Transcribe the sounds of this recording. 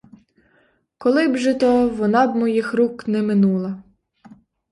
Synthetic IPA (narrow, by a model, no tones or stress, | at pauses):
kɔlˠɪbʒɛt̪ɔʋɔnɑbmɔjixɾuknɛmɪnulˠɐ